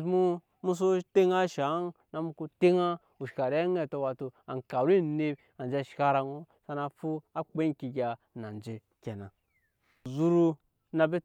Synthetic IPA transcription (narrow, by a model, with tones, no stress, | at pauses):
mu˦ | mu˦s̬o˦te˦ŋa˦ʃa˨˦nna˨mu˧ku˦te˦ŋa˦ | u˨ʃka˨ɾe˦ŋe˦˨to˧wa˨tu˧a̰˨ŋ˨ka˨ɾi˦˨ne˦b | a˨nd͡ʒe˦˨ʃka˦ɾa˧ŋo˦ | sa˧na˧fu˦a˦k͡pe˦ki˧ɡʲa˧ | na˨n˨d͡ʒe˨ | kʲe˨na˨ | zu˦ɾu˧ | na˧be˦